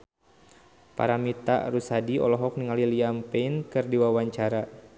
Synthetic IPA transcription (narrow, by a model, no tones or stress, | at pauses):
pa̰ɾamit̪a̰ʔɾusadiɔ̰lɔɦɔk̚niŋaliliampɛinkɨrdiwawaɲt͡ʃaɾa